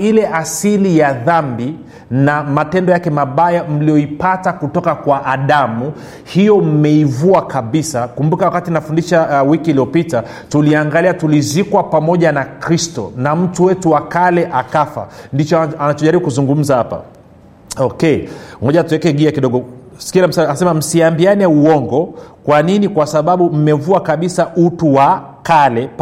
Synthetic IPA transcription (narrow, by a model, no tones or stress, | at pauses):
ilɛʔasilijaðambi | namatɛndɔjakɛmaɓajam̩lijɔipatakutɔkakwaʔːɗamu | hijɔm̩mɛivuakaɓisakumbukawakatinafundiʃawikiːliɔpita | tuliaŋɡaliatulizikwapamɔʄanakɾistɔ̰nam̩tuwɛtuwakalɛʔakafa̰ndit͡ʃɔanat͡ʃɔʄaɾiɓukuzuŋɡum̩zahapa̰ | ɔkɛmɔʄatuwɛkɛɠiakiɗɔɡɔ | skilam̩saasɛmam̩siambianɛuɔŋɡɔkwaninikwasaɓaɓum̩mɛvuakaɓisaʔutuwa | kalɛ